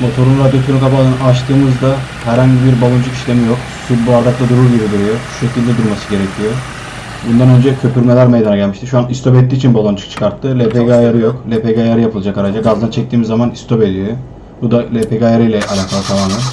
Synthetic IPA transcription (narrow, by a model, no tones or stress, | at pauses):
mo̞t̪ʰo̞ɾunɾad̪jot̪ʰunkʰapʰalˠɯnɯaʃt̪ʰɯːmɯzd̪a | hæɾhaɲɟibiɾbalˠunt͡ʃʰukiʃlʲe̞mijo̞k | subuaɾd̪ak̚lˠad̪uɾuɾɟibid̪yɾijoʃu̥ʃe̞cilʲd̪ɛd̪uɾmasɯɟe̞ɾɛcʰijo | bund̪anø̞nd͡ʒɛcʰø̞pyɾmelʲæɾmejd̪anaɟælʲmiʃt̪iʃuanist̪ʰo̞pɛt̪ːiːt͡ʃʰinbolˠant͡ʃʰɯ̥kt͡ʃʰɯ̥kʰaɾt̪ʰːɯlʲepeɡajaɾɯjo̞klʲepʰeɡajaɾɯjapʰɯlˠɯd͡ʒakaɾad͡ʒaɡazd̪ant͡ʃʰɛc̚t̪iːmizːamanist̪ʰo̞pe̞d̪ijo | bud̪alʲepʰeɡajaɾɯjlʲɛʔalʲaːkʰalˠɯt̪ʰamaːmɛn